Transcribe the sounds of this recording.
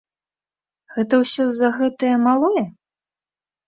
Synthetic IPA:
ɣɛt̪ɐwsʲɔzɐɣɛt̪ɐjɐmalˠɔjɛ

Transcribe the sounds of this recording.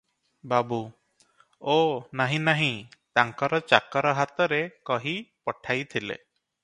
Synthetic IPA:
babu | onaɦĩnaɦĩt̪aŋkɔɾɔt͡ʃakɔɾɔɦat̪ɔɾekɔɦipɔʈʰajt̪ʰilḛ

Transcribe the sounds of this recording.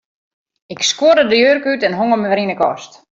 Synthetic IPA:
ɪkskoədədəjøːrkytɛnɦoŋəməʋəɾinəkɔ̰st

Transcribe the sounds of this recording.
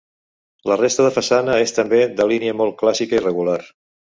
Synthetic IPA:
lərest̪əðəfəsanəest̪əmbeðəliniəmɔlˠt̚klasikəirəɣular

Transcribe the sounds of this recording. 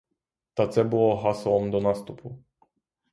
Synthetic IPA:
t̪at̪sɛbuɔɦasɔɔmd̪ɔnast̪upʰu

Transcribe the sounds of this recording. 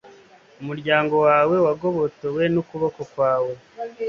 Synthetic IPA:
umuɾɟaːŋɡo̞waːwe̞waɡo̞βo̞towe̞nukuβoko̞kwaːwe̞

